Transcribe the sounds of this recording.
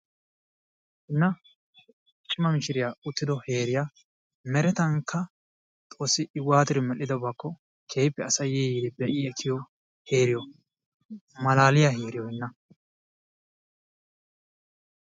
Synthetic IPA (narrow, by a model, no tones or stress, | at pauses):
ɪnːɐ | t͡ʃʼɪmɐmɪʃɪɾɪjaːʊt̪ːɪd̪ɔhe̞ːɾɪja | mɛɾɛt̪ɐŋkʰːɐ | t̪ʼoːsːɪʔɪwaːt̪ɪɾɪmɛlːɪd̪ɔbakːɔ | kʰeːjpːɛɐsɐjɛiːd̪ɪbɛʔɪɛt̪ʰːɪjɔ | heːɾɪjɔ | mɐlaːlɪjaheːɾɪjɔhɪnːɐ